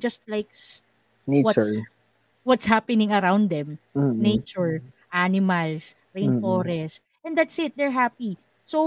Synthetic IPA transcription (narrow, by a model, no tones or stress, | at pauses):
d͡ʒɐst̪̚lajk̚s | newt͡ʃɔɹ | wɔt̪shapɛnɪ̃ŋɐɾãwnd̪ɛ̃m̩nejt͡ʃʊɹʔanɪmɐls | ɾẽj̃nfɔɾɛst | ʔɛ̃nd̪at̪sɪt̪̚d̪ɛɹɦapi | so